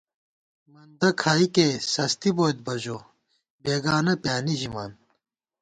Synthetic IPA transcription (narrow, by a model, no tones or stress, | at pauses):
mɐnd̪ɐkʰaːikesɐst̪iboːd̪̚bɐd͡ʑo | beːɡaːnɐpjaːniʑimaːn